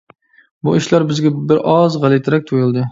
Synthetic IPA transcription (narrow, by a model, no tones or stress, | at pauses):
buiʃlɑɾbɪzɡʲɛbɪɾʔɑzʁælˠɪt̪ʰɪɾɛk̚ʲt̪ʰojɨlˠd̪ɨ